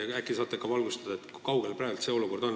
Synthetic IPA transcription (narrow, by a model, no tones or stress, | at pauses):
ækːˑisɑːt̪ːˑekːɑvɑlɡ̥ust̪ɑd̪̥ɑet̪kukɑwɡ̥elpræːlt̪se̞ːo̞luko̞rd̪̥o̞n